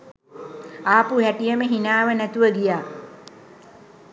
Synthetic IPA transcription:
aːpuɦæʈijəməɦinaːʋənæt̪uʋəɡijaː

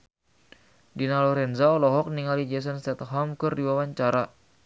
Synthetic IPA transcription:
dinalɔɾɛnzaɔlɔɦɔk̚niŋalid͡ʒɛs̬ɔnst̪ɛt̪ɦɔmkɨrdiwawaɲt͡ʃaɾa

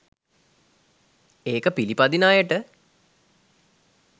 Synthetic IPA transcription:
eːkəpilipad̪inaːjəʈə

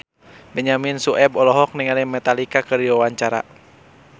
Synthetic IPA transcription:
bɛɲaminsuʔɛbɔlɔɦɔk̚niŋalɛmɛt̪alikakɨrdiwawaɲt͡ʃaɾa̰

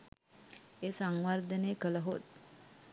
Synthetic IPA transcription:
eːsaŋʋard̪əneːkələɦot̪̚

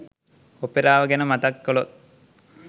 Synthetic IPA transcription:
opeɾaːʋəɡɛnəmat̪ɐkːolot̪̚

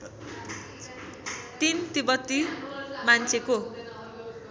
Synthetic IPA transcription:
t̪int̪ibʌt̪ːimant͡sʰeko

